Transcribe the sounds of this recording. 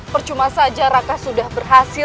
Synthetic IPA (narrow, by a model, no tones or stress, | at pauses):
pərt͡ʃumasad͡ʒaɾakasudahbərɦasɪ